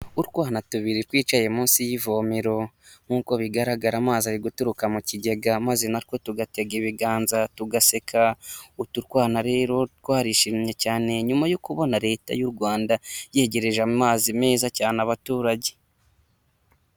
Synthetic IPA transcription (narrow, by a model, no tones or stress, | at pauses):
uɾkwaːnatuβiɾetwiːt͡ʃaje̞muːnsijivoːmiɾo̞ | ŋ̥uːko̞βiɡaɾaɡaɾamaːziaɾiɡutuɾukamuciɟe̞ɡamazenaɾko̞tuɡate̞ɡeβiɡaːnzatuɡase̞kʰautuɾkwaːnaɾe̞ːɾo̞t̚kwaːɾiʃimɲecaːne̞ɲumajokuβo̞naɾe̞ːta̰juɾɡwaːndaje̞ːɟe̞ɾe̞ʒamaːzime̞ːzacaːnaβatuːɾaɟe̞̥